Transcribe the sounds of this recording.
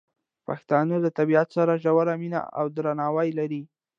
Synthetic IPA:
paxt̪ɑnəlat̪abiat̪saɾaʒawaɾamina̰a̰wd̪ɾanɑwajlaɾi

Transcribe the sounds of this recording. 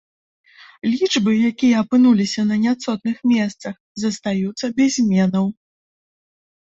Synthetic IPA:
lʲit͡ʂbɨjakʲijɛɐpɨnulʲisʲɐnɐnʲat̪sɔt̪̚nɨxmʲɛst̪sɐx | zɐst̪ajut̪sːɐbʲɛzʲmʲɛnɐw

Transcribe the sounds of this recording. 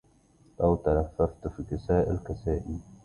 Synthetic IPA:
lawt̪alafːaft̪fiːkɪsaːʔɪlkasaːʔi

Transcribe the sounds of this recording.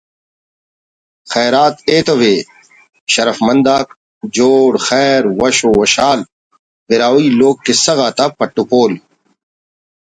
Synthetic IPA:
xɛːɾaːt̪eːt̪ɐweː | ɕɐɾɐfmɐ̃nd̪aːk | d͡ʑoːɽxɛːɾwɐɕowɐɕaːl | beɾaːwiːloːɡ̚kesɐɣaːt̪apɐʈːupoːl

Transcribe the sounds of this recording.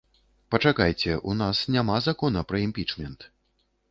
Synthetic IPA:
pɐt͡ʂakajt͡sʲɛʔunasnʲamazakɔnɐpɾɐimpʲit͡ʂmʲɛnt̪

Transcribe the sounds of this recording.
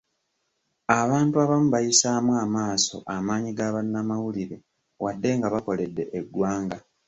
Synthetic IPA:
aβaːntuaβamuβajisaːmwaːmaːso̞̰ʔamaːɲiɡaβanːamawuliɾe̞ | wadːe̞ŋɡaβako̞le̞dːe̞ʔeɡːwaːŋɡa

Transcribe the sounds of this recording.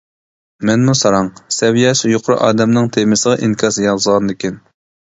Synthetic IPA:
mɛnmusɑɾɑŋsɛvijɛʃjoqʰʊɾʊ̰ʔɑːd̪ɛmnɨŋt̪ʰemɪsəʁɑʔiŋkʲʰɑsjɑzʁɑnd̪ɪkʲɛn

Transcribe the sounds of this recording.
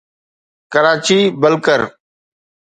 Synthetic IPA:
kəɾaːt͡ʃiːbəlkəɾ

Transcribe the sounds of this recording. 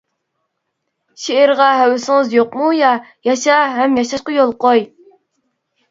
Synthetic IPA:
ʃeɪɾʁɑɦɛwɪsɪŋɨzjoqmujɑjɑʃɑɦɛmjɑʃɑʃqɑjolˠqoj

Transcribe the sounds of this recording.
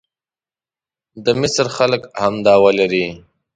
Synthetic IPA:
d̪əmɪsɾxaləkhamd̪ɑwalaɾi

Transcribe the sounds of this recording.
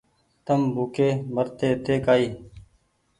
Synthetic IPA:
t̪əmbʱuːkeːməɾt̪eːt̪eːkaːiː

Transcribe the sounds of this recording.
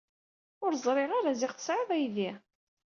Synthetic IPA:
ʊɾzˤɾˤɪʁaɾazɪʁθə̥sʕɪðˤæjði

